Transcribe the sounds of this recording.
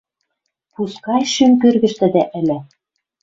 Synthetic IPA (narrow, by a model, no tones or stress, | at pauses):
puskɑjʃymkørɣɘ̆ʃt̪ɘ̆d̪æʔɘ̆lʲɘ̆